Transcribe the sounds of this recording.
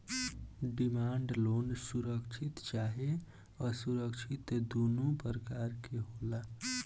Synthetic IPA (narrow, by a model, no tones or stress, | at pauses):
ɖimaɳɖlonsuɾəkt͡ʃʰit̪t͡ʃaɦe | əsuɾəkt͡ʃʰit̪d̪onupəɾəkaɾkeɦola